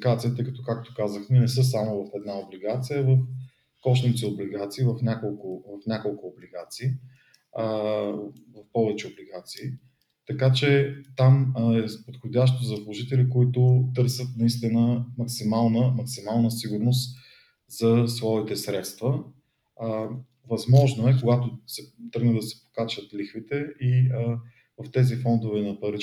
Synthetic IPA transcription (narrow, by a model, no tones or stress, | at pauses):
ɡat̪sijət̪ɤɪkət̪okakt̪o̥kazəxt̪ɛnɛs̬ɤs̬amovɐfɛd̪naobliɡat̪sijəvəf | kɔʃit̪siobliɡat̪siːvɐfnʲakolˠkʊvɐfnʲakolˠkʊːbliɡat̪siː | vɐfpɔvɛt͡ʃɛobliɡat̪siː | t̪ɐkat͡ʃɛt̪amɛpot̪xod̪ʲaʃt̪ozɐslˠoʒit̪ɛlikoit̪ʊt̪ɤɾsət̪nɐist̪inəmɐksimalˠnəmɐksimalˠnəsiɡʊɾnost̪ | z̥ɐsvɔit̪ɛsɾɛt̪st̪və | vɐzmɔʒnoɛkoɡat̪ʊsɛt̪ɾɤɡnəd̪ɐsɛ̥po̥kat͡ʃət̪lixvit̪ɛi | vɐft̪ɛzifɔnd̪ovɛnɐpɐɾi